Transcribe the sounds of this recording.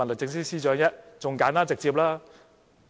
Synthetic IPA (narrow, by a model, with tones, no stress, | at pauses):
ɐ˨˩nlɪ˨˩t͡sɪ˧ŋsɪ˥siː˥t͡ʃœː˨˧˥ŋjɐ˥t̚t͡sʊ˨ŋkaː˨˦nt̪aː˥t͡sɪ˨k̚t͡siː˧p̬̚laː˦˥